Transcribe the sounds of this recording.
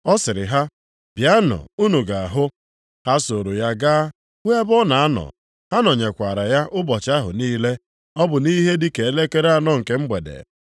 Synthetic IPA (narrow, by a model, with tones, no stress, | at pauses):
ɔ˦sɪ˨ɾɪ˨ɦa˦ | bja˦nɔ̰˨u˦nu˨ɡa˨a˨ɦʊ˦ | ha˦so˨ɾo˨ja˦ɡaː˦ | we˦bɔ˦na˨a˦nɔ̰˨ | ha˦nɔ˨ɲe˨kʷa˨ɾa˨ja˦ʔʊ˦bɔ˨t͡ʃa˦ɦʊ̰˨niː˦le˦ | ɔ˦bʊ˨ni˦ɦe˦di˦ke˨e˦le˦ke˦ɾa˨nɔ˨ŋ̩˨ke˦m̩˦ɡ͡be˨dḛ˨